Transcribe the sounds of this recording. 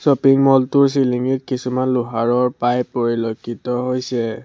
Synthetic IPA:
sɔpiŋmɔltʊɹs̬iliŋitkisumanluɦaɹɔɹpajpoɹilokʰːitɔɦojsɛ

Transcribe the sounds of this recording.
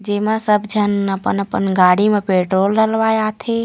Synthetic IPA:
d͡ʒemãsəbd͡ʒʱənəpə̰nəpə̰nɡaːɽimãpeʈɾoːlɾəlʋajat̪ʰe

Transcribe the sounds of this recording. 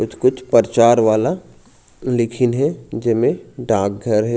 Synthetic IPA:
kʊt͡ʃʰkʊt͡ʃʰpəɾt͡ʃaːɾʋaːla | lɪkʰɪnɦɛd͡ʒɪmẽɖãːk̚ɡʱɐɾɦɛ

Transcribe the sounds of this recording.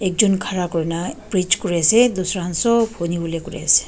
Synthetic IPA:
ɛk̚zɔnkʰaɹakɔɹinapɹit͡ʃkoɹiased̪usɔɹɦansɔpʰonibulekoɹḭase̥

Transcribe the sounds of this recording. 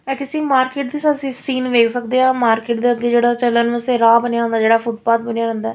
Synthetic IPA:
ɛːkɪsĩːmaːɾkeːʈd̪iːsasɪsiːnʋeːkʰsəkd̪eːaːmaːɾkeːʈ̚d̪eːəɡːeːd͡ʒeːɽaːt͡ʃələnʋeseɾaːbənjaːɦʊ̃nd̪aːd͡ʒeːɽaːpʰʊʈ̚paːt̪̚bənijaːɾɛ̃nd̪aɛː

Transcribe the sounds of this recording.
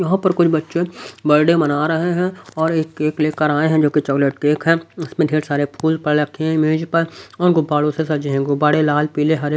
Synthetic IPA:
jɐɦãpɐɾkʊt͡ʃʰbɐtːʃebɐɾɖemɐnaːɾɐɦeɦɛ̃ɔːɾeːkeːkleːkəɾaːeɦɛ̃d͡ʒoːkit͡ʃɔːkleʈkeːkɦɛ̃ɪsmẽɖʱeːɾsaːɾepʰuːlzpɐɽeɾɐkʰːeɦɛ̃ɪmeːd͡ʒpəɔːɾɡʊbaːɽosesɐd͡ʒeɦɛ̃ɡʊbaːɽelaːlpiːleɦɐɾ

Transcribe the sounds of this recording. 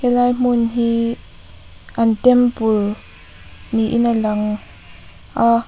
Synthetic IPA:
hɛlajm̥ʊnɦi | ʔantɛmpʊl | niʔḭnalaŋ | ʔa

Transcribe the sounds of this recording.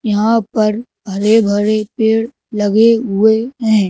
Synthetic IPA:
jɐɦãpɐɾbʱɐɾebʱɐɾepeːɽ | lɐɡeɦʊeɦɛ̃ː

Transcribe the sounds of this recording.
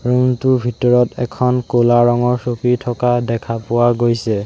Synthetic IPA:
ɹuntubʱitɔɹɔtʰɛkʰɔnkolaɹɔŋɔɹsokɹitʰɔkadɛkʰapʊwaɡojsɛ

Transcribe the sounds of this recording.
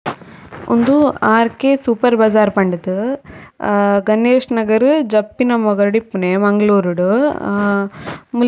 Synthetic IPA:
ɔ̰nd̪uaːɾkeːsuːpɐɾbɐd͡ʒaːɾpɐɳɖɐd̪ɯ | ɡɐneːʂnɐɡɐɾɯd͡ʒɐpːinɐmɔɡɐɾɽipːuneːmɐŋɡɐɭuːɾuɽu | mu

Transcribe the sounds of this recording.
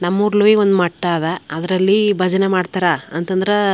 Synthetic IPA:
nɐmːuːɾluiond̪umɐʈːaːʋeɐd̪ɐɾɐlːibʱɐd͡ʒɐnemaːɖt̪aːɾaɐnt̪ɐnd̪ɐɾe

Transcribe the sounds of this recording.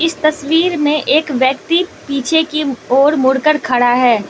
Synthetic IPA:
ɪst̪ɐswiːɾmẽʔeːkʋjɐkt̪ipiːt͡ʃʰekioːɾmʊɽkəɾkʰɐɽaɦɛː

